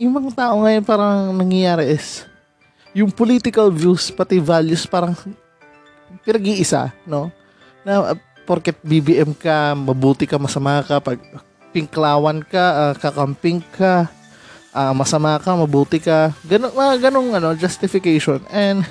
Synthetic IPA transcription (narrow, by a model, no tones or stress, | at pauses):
jʊŋmɐŋat̪aːʔo̞ŋɐjonpaːɾɐŋnɐŋjɐjaːɾɛʔɪs | jʊŋpoliːt̪ɪkɐlvjuspɐt̪ɪvaljʊspaːɾɐŋ | pɪnɐɡiːʔɪsa̰no̞ | nɐ̰ | poɾkɛt̪̚bibiʔɛmkamɐbuːt̪ɪkɐmɐsɐmaːkapɐɡ̚ | pɪŋklaːwɐnkaʔakɐkampɪŋkʰa | ʔamɐsɐmakɐmɐbuːt̪ɪkaɡɐnomɐɡɐnoŋʔɐno̞d͡ʒɐst̪ɪfɪkɛjʃonɛnd̪